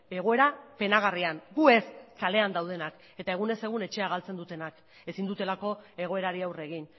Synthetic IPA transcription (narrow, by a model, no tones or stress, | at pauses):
e̞ɣ̞o̞e̞ɾape̞naɣ̞arianɡue̞skale̞and̪awð̞e̞nak | e̞t̪ae̞ɣ̞une̞se̞ɣ̞une̞t͡ʃe̞aɣ̞alt͡se̞nd̪ut̪e̞nak | e̞sind̪ut̪e̞lako̞e̞ɣ̞o̞e̞ɾaɾiawre̞ɣin